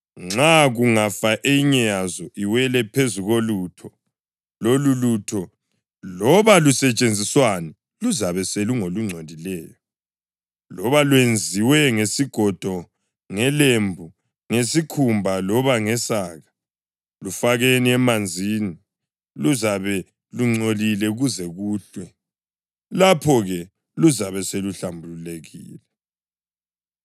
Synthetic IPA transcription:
ŋ͡ǁaɣuŋafaʔeiɲɛjazɔʔiwɛlɛpʰezuɣolutʰɔ | lolulutʰɔ | lɔβalusɛt͡ʃʼend͡zʱiswanɛ | luzaβɛseluŋoluŋ͡ǀʱodʱilɛːjɔ | lɔβalwend͡zʱiwɛŋesiɡ̥ʱɔd̥ʱɔ | ŋɛlembʱu | ŋesikʰumbʱalɔβaŋɛsaɣa | lufaɣeniɛmand͡zʱini | luzaβɛ | luŋ͡ǀolilɛuɣuzɛɣuːɬwɛ | lapʰɔɣɛ | luzaβɛseluɬambʱululeɣḭːlɛ

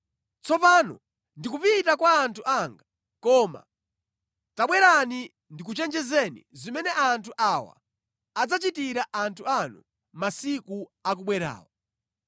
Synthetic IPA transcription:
t͡sɔpanɔ̰ | ndikupitakwaːntʰuʔaŋɡa | kɔma̰ | taɓwɛɾani | ndikut͡ʃɛnd͡ʒɛzɛnḭzimɛnɛʔantʰuʔawa̰ː | d͡zat͡ʃitiɾaʔantʰuanu | masikuak̬uɓwɛɾa̰ːwa

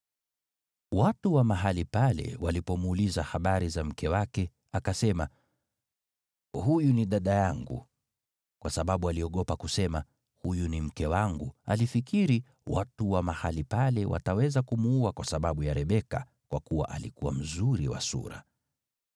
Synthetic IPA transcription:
watuwamaɦalipalɛ̰walipɔmuːlizahaɓaɾizam̩kʰɛwakɛ | akasɛma | hujuniɗaɗajaŋɡṵ | kwasaɓaɓualiɔɠɔpakusɛma | hujunim̩kɛwaŋɡua̰lifikiɾi | wʔatuwamahalipalɛwa̰tawɛzakumuuakwasaɓaɓujaɾɛɓɛka̰ | kwakuwa̰ʔalḭkuwa̰m̩zuɾḭwa̰sṵɾa̰

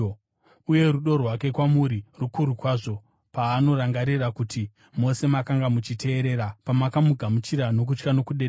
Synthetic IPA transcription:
uje̞ruɗo̞rwak̬e̞kwamuɾirukuɾukwaːʐo̞ | paːno̞ɾaŋɡaɾirakutʰi | mo̞se̞makaŋɡamut͡ʃite̞ːɾe̞ːɾapamakamuɡʱamut͡ʃiɾano̞k̬ut͡ʃkano̞kuɗeɗe

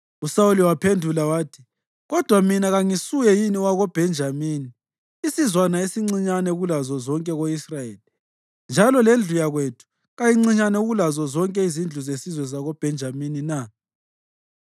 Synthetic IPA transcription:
usauliwapʰendʱulawaːtʰi̥ | ɣɔd̥ʱwaminaɣaŋisujɛjiniwaɣɔb̥ʱɛnd͡ʒʱamiːni | isizwanaesiŋ͡ǀiɲanɛuɣulazɔzɔŋkʼɛɣoisrajeːli | nd͡ʒʱalɔlend͡ɮʱujaɣwetʰu̥ | ɣajiŋ͡ǀiɲanɛuɣulazɔzɔŋkʼɛizind͡ɮʱuzesizwɛzaɣɔb̥ʱɛnd͡ʒʱaminina

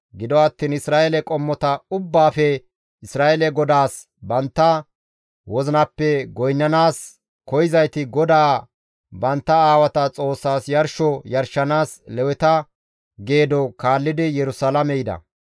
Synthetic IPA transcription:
ɡɪd̪ɔɐt̪ːiːnɪsɾaːʔelɛkʼɔmːɔt̪ɐʊbːaːfɛ | ɪsɾaːʔɛlɛɡɔd̪aːs | bɐnt̪ːɐ | wɔzɪnɐpːɛɡɔjnːɐnaːs | kɔjɪzɐjt̪ɪɡɔd̪aː | bɐnt̪ːɐaːwɐt̪ɐt͡sʼo̞ːsːaːsjɐɾʃɔjɐɾʃɐnaːslɛwɛt̪ɐ | ɡe̞ːd̪ɔkaːlːɪd̪ɪjɛɾʊsalɐmɛjɪd̪ɐ̰

